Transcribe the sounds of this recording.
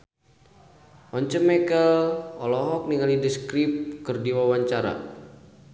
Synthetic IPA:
ʔɔɲt͡ʃəmɛkəlɔlɔɦɔk̚niŋalidəskɾip̚kərdiwawaɲt͡ʃaɾa̰

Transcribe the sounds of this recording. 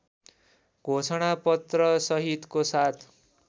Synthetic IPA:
ɡʱosʌɽ̃apʌt̪rʌsʌɦit̪kosat̪ʰ

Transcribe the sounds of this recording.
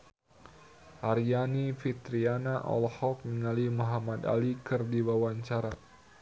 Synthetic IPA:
ʔaɾianifit̪ɾianaʔɔ̰lhɔk̚miŋalimoɦamad̪a̰likɨrdiwawaɲt͡ʃaɾa

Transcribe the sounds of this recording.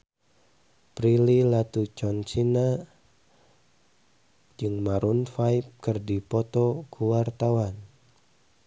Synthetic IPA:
pɾililat̪ut͡ʃɔnt͡ʃina | d͡ʒɨŋmaɾunfaip̚kɨrdipɔt̪ɔkuwart̪awan

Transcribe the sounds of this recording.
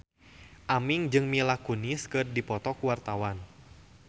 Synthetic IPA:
ʔamiŋd͡ʒɨŋmilakuniskɨrdipɔt̪ɔkuwart̪awan

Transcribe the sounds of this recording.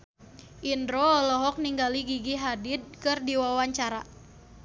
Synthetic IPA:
ʔindɾoːlɔɦɔk̚niŋɡaliɡiɡiɦadɪd̚kɨrdiwawaɲt͡ʃaɾa

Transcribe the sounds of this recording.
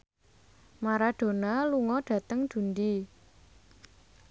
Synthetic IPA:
maɾaɖ̥o̤naluŋɔɖ̥ä̤t̪əŋd̪̥ṳnd̪i

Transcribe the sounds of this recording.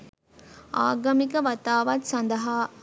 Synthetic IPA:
aːɡɐmikəʋat̪aːʋat̪sand̪ɐɦaː

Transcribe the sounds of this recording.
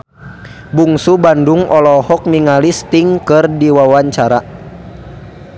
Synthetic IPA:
buŋsubanduŋɔlɔhɔk̚miŋalist̪iŋkɨrdiwawaɲt͡ʃaɾa

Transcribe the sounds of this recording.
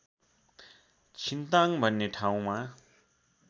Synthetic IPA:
t͡sʰint̪aŋbʱʌnːeʈʰaw̃ma

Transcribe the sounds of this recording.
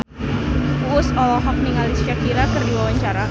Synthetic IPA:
wʊsɔlɔɦɔk̚niŋalisakiɾakərdiwawaɲt͡ʃaɾa

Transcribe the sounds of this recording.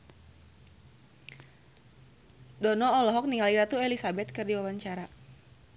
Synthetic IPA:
dɔnɔːlɔɦɔk̚niŋaliɾat̪uɛlisabɛt̪̚kɨrdiwawaɲt͡ʃaɾa

